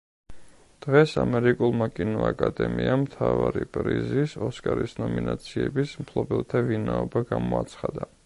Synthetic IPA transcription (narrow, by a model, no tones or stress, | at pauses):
d̪̥ʁɛsamɛɾikʼulˠmakʼinuakʼad̪ɛmiamt̪ʰavaɾipʼɾizisɔskʼaɾisnɔminat̪sʰiɛbismpʰlˠɔbɛlˠt̪ʰavinaɔbaɡamɔat̪sʰχad̪a